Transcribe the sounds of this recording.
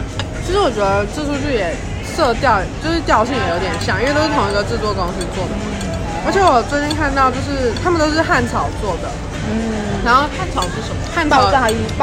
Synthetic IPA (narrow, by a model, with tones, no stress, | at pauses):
t͡ɕʰi˧˥ʂɻ̩˧˥wɔ˨˩t͡ɕɥɛ˧˥d̪ə˧ʈ͡ʂ̩˥˧˩ʈ͡ʂʰu˥˧t͡ɕʰy˥˩jɛ˨˩ | sɤ˥˧t̪jɑ˥˩ʊ˨t͡ɕjo˥˧ʊʂɻ̩˥˧t̪jɑ˥˧ʊɕ̬i˥˩ŋjjo˧˥t̪jɛ˧˥nɕjɑ˨˩ŋɥɛ˥˩t̪o˥t̪ʰʊ˧˥ŋ˧˥ɡ̪ə˧ʈ͡ʂɻ̩˥˩t̪wɔ˥kɑ˥ŋsi˥t͡swɔ˥˩d̪ə˨˩ | ə˧˥t͡ɕʰɛ˧˥wɔ˨˩t͡swni˥nkʰa˥˧nt̪ɑ˥˧ʊt͡ɕjo˥˧ʂɻ̩˥˩t̪ʰa˥mə˨nt̪o˥ʊʂ̬ɻ̩˥˧xa˥˩nt͡sʰɑ˨˩ʊt͡swɔ˥˩d̪ə˩˥˩ | ɻa˧˥nxo˥˧ʊxa˥˩nt͡sʰɑ˨˩ʊʂɻ̩˥˩ʂə˧˩˧xa˥˧nt̪ɑ˥˩a˥˩˧i˧˥˩p